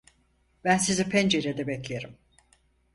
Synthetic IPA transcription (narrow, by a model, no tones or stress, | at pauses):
b̥ænsizipʰɛnd͡ʒeɾed̪ɛbɛclʲeeɾim